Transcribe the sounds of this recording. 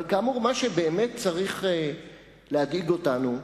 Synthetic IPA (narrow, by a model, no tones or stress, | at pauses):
lkaːmuʁmaʃebeːmet̚t͡saʁiχe | leadiɡo̞tanu